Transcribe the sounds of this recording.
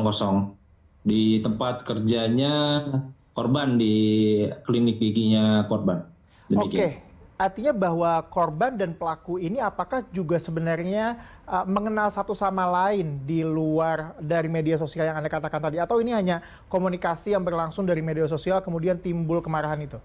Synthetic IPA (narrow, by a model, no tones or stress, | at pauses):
ŋkɔsɔŋ | dit̪əmpat̪̚kərd͡ʒaɲa | kɔrbandi | klinɪk̚diɡiɲakɔrban | dəoikeart̪iɲabahwakorbandanpəlakuiniapakahd͡ʒuɡasəbənarɲa | ʔəməŋənalsat̪usamalaɪndiluardaɾimedias̬osialjaŋandakat̪akant̪adiat̪awiniɦaɲa | komunikasijaŋbərlaŋsʊŋdaɾimedias̬osialkəmudiant̪imbʊlkəmaɾaɦanit̪u